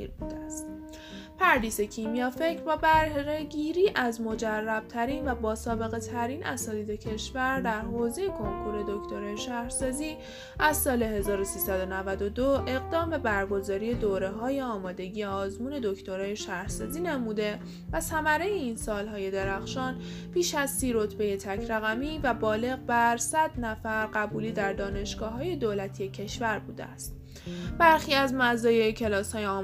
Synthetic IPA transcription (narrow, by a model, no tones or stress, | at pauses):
ḭɾbuːd̪eæst̪ | pʰæɾd̪iːse̞cʰimijɒːfe̞cɾbɒːbæɾɾeɟiːɾiːʔæzmo̞d͡ʒærːæb̥̚t̪ʰæɾiːnvæbɒːsɒːbe̞ɣe̞t̪ʰæɾiːnʔæ̰sɒːt̪ʰiːd̪e̞cʰe̞ʃvæɾd̪æɾɦoːzejekʰo̞ŋkʰuɾe̞d̪o̞ct̪ʰo̞ɾɒːjeʃæhɾsɒːziː | ʔæzsɒːle̞ɦe̞zɒːɾo̞siːsæd̪o̞nævæd̪o̞d̪oe̞ɣd̪ɒːmbe̞bæɾɡo̞zɒːɾije̞d̪oːɾe̞ɦɒːje̞ɒːmɒːd̪e̞ɟijeɒːzmuːne̞d̪o̞cʰt̪ʰo̞ɾɒːje̞ʃæhɾ̥sɒːziːnemuːd̪e̞ | væsæmæɾejeinsɒːlɦɒːje̞d̪e̞ɾæxʃɒːn | pʰiːʃæzsiːɾo̞t̪ʰbe̞je̞t̪ʰæcʰɾæɣæmiːvæbɒːle̞ɣbæɾsæd̪̥næfæɾɢæbuːliːd̪æɾd̪ɒːne̞ʃɡ̥ɒːɦɒːje̞d̪oːlæt̪ʰijecʰe̞ʃvæɾbuːd̪eæst̪̚ | b̥æɾxiːæzmæzɒːjeecʰe̞lɒːshɒːjeɒː